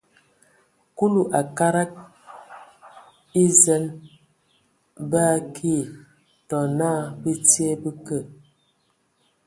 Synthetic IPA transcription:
ku˦lu˨ʔa˨ka˦ɾa˦k̚ | i˦zɛ˦n | baː˦˨kʰi˦˨ | tɔ˨na˦˨bə˦tje˦bə˦kə˦˨

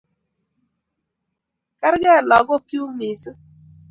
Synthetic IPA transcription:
ka˦ɾɡɛ˦˨lɔ˨ɡɔ˦kju˦mɪ˨sɔ˦

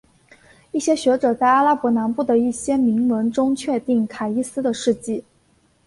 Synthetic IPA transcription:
i˥˩ɕjɛ˥ɕɥɛ˧˥ʈ͡ʂɤ˨˩t͡sa˥˧ɪa˥la˥pwɔ˧˥na˧˥npu˥˩d̪ə˩i˥˩ɕjɛ˥mi˧˥ŋwə˧˥nʈ͡ʂʊ˥ŋt͡ɕʰɥɛ˥˧t̪i˥˩ŋkʰa˨˩i˥˧sɹ̩˥d̪ə˨ʂɻ̩˥˧t͡ɕi˥˩

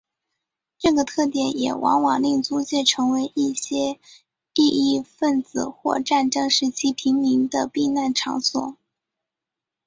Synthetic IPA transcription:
ʈ͡ʂɤ˥˩ɡə˩t̪ʰɤ˥˩t̪jɛ˨˩njɛ̰˨˩wʔɑ̰˧˥ŋwɑ˨˩ŋli˥˩ŋt͡su˥t͡ɕjɛ˥˩ʈ͡ʂʰɤ˧˥ŋwe˧˥ɪʔi˥˩ɕjɛ˥ | i˥˧i˥˧fə˥˩nt͡sɹ̩˨˩xwɔ̰˥˧ʈ͡ʂa˥˧nʈ͡ʂɤ˥ŋʂɻ̩˥˩t͡ɕʰi˧˥pʰi˧˥ŋmi˧˥ŋd̪ə˧pi˥˧na˥˩nʈ͡ʂʰɑ̰˧˥ŋswɔ̰˨˩˦

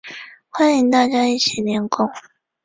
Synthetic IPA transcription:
xwa˥ni˧˥ŋt̪a˥˩t͡ɕja˥i˥˩t͡ɕʰi˨˩njɛ˧˥nkʊ˥˩ŋ

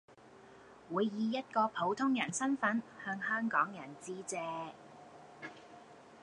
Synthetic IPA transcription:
wuː˨˧jːiː˨˧jɐ˥t̚kɔː˧pʰo˨˥wt̪ʰʊ˥ŋjɐ˨˩nsɐ˥nfɐ˨˥nhœː˧ŋɦœː˥ŋkɔː˨˥ŋjɐ˨˩nt͡siː˥t͡sɛː˧

